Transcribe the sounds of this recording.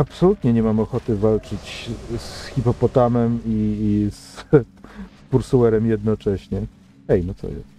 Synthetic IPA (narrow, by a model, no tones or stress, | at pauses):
apsɔlut̪ɲɛɲɛmamɔxɔt̪ɘvalt͡ʂɘt͡ɕsxʲipɔpɔt̪amɛmis | puɾsuwɛɾɛmjɛd̪nɔt͡ʂɛɕɲɛ | ɛjnɔt̪sɔ̰jɛ̰st̪